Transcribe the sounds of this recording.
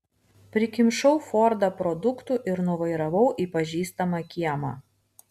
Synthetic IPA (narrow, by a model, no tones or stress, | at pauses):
pʲɾʲɪkʲɪmʃɐʊfɔːɾd̪ɐpɾɔd̪ʊkt̪uːˑʔɪɾnʊʋɐɪɾɐʋɐʊʔiːpɐʒʲiːst̪ɐmɑkʲiɛmɑ̰ː